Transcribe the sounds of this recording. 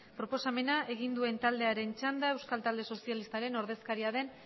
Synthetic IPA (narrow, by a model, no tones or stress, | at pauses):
pɾo̞po̞same̞naʔe̞ɣ̞ind̪ue̞nt̪ald̪e̞aɾe̞nt͡ʃand̪ae̞wskalt̪ald̪eso̞sialist̪aɾe̞no̞ɾð̞e̞skaɾiaðe̞n